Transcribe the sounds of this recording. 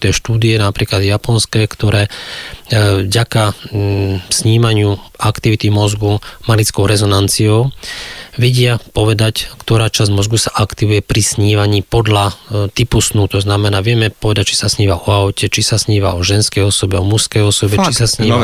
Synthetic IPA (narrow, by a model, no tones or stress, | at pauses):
t̪ɛːʃt̪uːd̪iɛnapɾiːklad̪japɔnskɛːkt̪ɔɾɛː | vɟaka | sɲiːmaɲɪuʔakt̪iʋit̪imɔzɡumalit͡skɔʊɾɛzɔnant͡siɔʊ | ʋɛɟɪapɔʋɛd̪ackt̪ɔɾaːt͡ʃazmɔzɡusaʔakt̪iʋujɛpɾisɲiːʋaɲiːpɔd̪ʎat̪ipusnut̪ɔznamɛnaːʋɪɛmɛpɔʋɛd̪ac̚t͡ʃi̥sasɲiːʋaɔaʊcɛt͡ʃisasɲiːʋaɔʒɛnskɛjɔsɔbɛɔmuskɛjɔsɔbɛt͡ʃissasɲiː